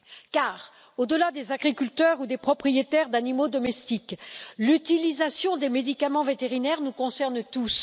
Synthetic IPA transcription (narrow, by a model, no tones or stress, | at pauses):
kaːʁ | od̪əlad̪ezaɡʁikʲylt̪œʁud̪epχɔpχijet̪ɛʁd̪animod̪ɔmɛst̪iklyt̪ilizasjɔ̃d̪emed̪ikamɑ̃vet̪eʁinɛʁnukɔ̃sɛʁnt̪us